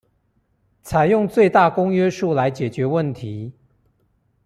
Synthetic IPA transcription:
t͡sʰa˨˦ɪjʊ˥˧ŋt͡swe˥˧ɪt̪a˥˨kʊ˥ŋɥɛ˥ʂu˥˨la˨˧˦ɪt͡ɕjɛ˨˩t͡ɕɥɛ˨˥˦wə˥˨nt̪ʰi˨˦

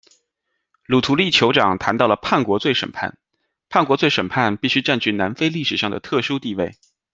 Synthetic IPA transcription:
lu˨˩t̪ʰu˧˥li˥˩t͡ɕʰjo˧˥ʊʈ͡ʂɑ˨˩ŋt̪ʰa˧˥nt̪ɑ˥˩ʊlə˩pʰa˥˩nkwɔ˧˥t͡swe˥˩ɪʂə̰˨˩npʰa̰˥˩n | pʰa˥˩nkwɔ˧˥t͡swe˥˩ɪʂə˨˩npʰa˥˧npi˥˩ɕy˥ʈ͡ʂa˥˧nt͡ɕʰy˥˩na˧˥nfe˥ɪli˥˩ʂɻ̩˨˩ʂɑ˥˩ŋd̪ə̰˩t̪ʰɤ˥˩ʂu˥t̪i˥˧we˥˩ɪ

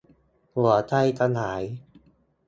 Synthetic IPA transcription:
lu˩˦ɐt̪ʰa˧jt̪ʰa˧naː˩˦j

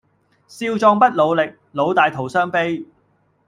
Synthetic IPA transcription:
siː˧wt͡sɔː˧ŋpɐ˥t̚lo˨˧wlɪ˨k̚ | lo˨˧wt̪aː˨˧jt̪ʰo˨˩wsœː˥ŋpe˥j

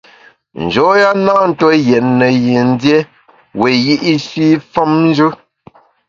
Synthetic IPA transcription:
n̩˨d͡ʒɔ˨˦ja˦na˦n̩˨to˦jɛ˨tnə˨je˨n̩˦dje˦ | we˨ji˦ʔi˦ʃi˦fɔ˦mn̩˦d͡ʒʉ˦

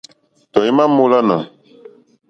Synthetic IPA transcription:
tɔ˨i˦mã˦mo˦la˦nã̰˨

